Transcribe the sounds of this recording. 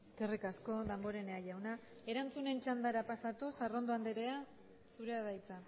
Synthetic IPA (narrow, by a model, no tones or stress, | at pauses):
skerikasko̞ðambo̞ɾe̞neaʎawna | e̞ɾant͡sune̞nt͡ʃand̪aɾapasat̪usaro̞nd̪oand̪eɾe̞a | suɾe̞aðajt͡sa